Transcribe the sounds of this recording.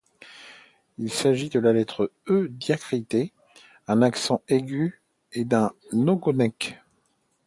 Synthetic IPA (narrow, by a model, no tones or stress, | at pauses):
ilsaʒid̪əlalɛt̪χəød̪jakχit̪e | ɛ̃naksɑ̃eɡʲy | ed̪ɛ̃noɡɔnɛk